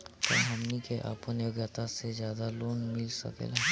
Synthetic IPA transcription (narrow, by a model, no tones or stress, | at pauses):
t̪ə̰ɦɐmnikeʔa̰ːpõneɡət̪asezjaːd̪aloːnmɪlsɐ̰kḛla